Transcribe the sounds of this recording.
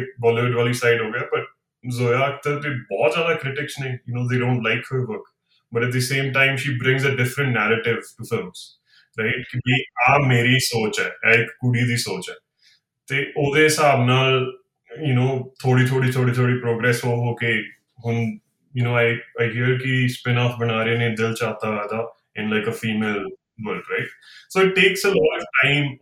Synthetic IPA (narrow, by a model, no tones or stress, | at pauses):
ʋɔːleʋɪɖʋaːliːsaɪɖɦoːɡɪaːpəʈ̚ | zoːjaːk̚t̪ət̪eːbɔːt̪zjaːd̪aːkɾɪʈɪksnẽːjʊnoːd̪eːɖõːɳʈlaɪkhəɾʋəɾk | bəʈɛt̪̚d̪əsẽːmʈãɪmʃiːbɾɪ̃ŋzəɖɪfɾə̃ɳʈnɛːɾəʈɪʋʈufɪlmz̥ | ɾaɪʈkɪbiːaːmeːɾiːsoːt͡ʃɛ̰ːɛːɪkːʊɽiːd̪iːsoːt͡ʃɛː | t̪eːʔoːd̪eɦɪsaːbnaːl | jʊnoːt̪ʰoːɽiːt̪ʰoːɽiːt̪ʰoːɽiːt̪ʰoːɽiːpɾoːɡɾɛːsoɦoːke | ɦʊn | jʊnoːaɪaɪɦiəɾkispɪnaːfbəɽ̃aːɾenẽːd̪ɪlt͡ʃaːt̪aːɛːd̪aː | ɪ̃nlaɪkəfiːmeːl | bəlkɾaɪʈ̚soːɪʈːeːksəlɔːʋʈãɪ̃m